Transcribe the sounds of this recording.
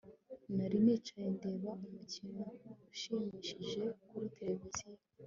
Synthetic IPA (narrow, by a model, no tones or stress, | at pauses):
naɾimet͡ʃajende̞βaumucinouʃiːmiːʃiʒe̞kuɾitʰele̞vizije